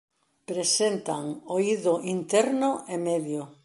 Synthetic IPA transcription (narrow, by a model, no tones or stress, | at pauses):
pɾesent̪aŋoiðʊʔint̪ɛɾnʊʔemeðjo